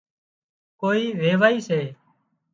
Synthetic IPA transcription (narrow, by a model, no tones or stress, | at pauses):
koːiːʋeːʋaːiːseː